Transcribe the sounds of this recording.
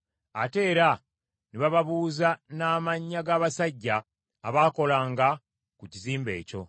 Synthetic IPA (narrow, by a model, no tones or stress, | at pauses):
ate̞ːɾa | niβaβaβuːzanaːmaɲːaɡaːβasaɟːaː | βaːko̞laːŋɡa | kuciziːmbe̞̰ːco̞̰